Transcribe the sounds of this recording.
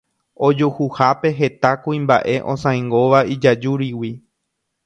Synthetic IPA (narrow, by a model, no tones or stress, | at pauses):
o̞d͡ʒohuhape̞ɦe̞t̪akuĩmba̰ʔe̞ʔõ̞̰sãj̃ŋɡo̞ʋaid͡ʒad͡ʒuɾiwi